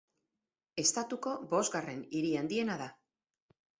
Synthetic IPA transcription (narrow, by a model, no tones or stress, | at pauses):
e̞st̪at̪uko̞bo̞zɡare̞niɾiand̪ie̞naða